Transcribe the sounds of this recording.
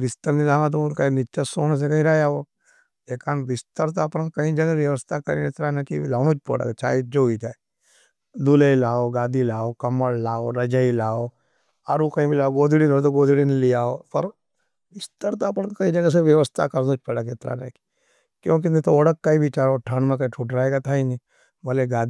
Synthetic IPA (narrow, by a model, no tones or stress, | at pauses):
ʋɪst̪əɾnilaːʋãt̪̬oʊnkainɪt͡ʃasoːñs̬eɾɐĩɾaːjao | eːkaːnʋɪst̪əɾt̪aɐpənkɐĩd͡ʒɐɡaʋjɐʋəst̪ʰakɐɾḭɪt̪ɾanẽkilaːnõːt͡ʃpo̰ːɽa̰kt͡ʃa̰ːid͡ʒoɦit͡ʃaːe | d̪ulelaːoɡaːd̪ilaːokɐməɽlaːoɾɐd͡ʒailaːo | aːɾukɐĩbʱilaːoɡoːd̪ʱiɽilot̪̬oɡoːd̪ʱiɽinlijaːopɐɾ | ʋɪst̪əɾt̪apnkɐĩd͡ʒɐɡəs̬eʋjɐʋəst̪ʰa̰kɐɾd̪õːt͡ʃpəɽəkɪt̪ɾa̰neki̥ | kjõːk̬inet̪ooɽəkːaibʱit͡ʃaːɾaoʈʰəɳmẽkɐĩʈʰuːʈɾaːeɡat̪ʰainĩ | bəleɡaːd̪